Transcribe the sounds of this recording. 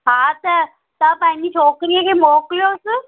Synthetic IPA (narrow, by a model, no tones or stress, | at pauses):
ɦat̪ɐ | t̪əpãĩɲd͡ʑit͡ɕʰoːkɾijəkʰemokljos